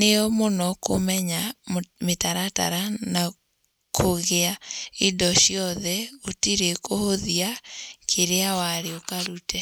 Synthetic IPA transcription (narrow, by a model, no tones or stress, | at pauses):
neɔmonɔko̰mɛɲametaɾata̰ɾana | kʰoɣeaidɔʃiɔðɛotiɾekohoðiakʰeɾeawaɾeokaɾutɛ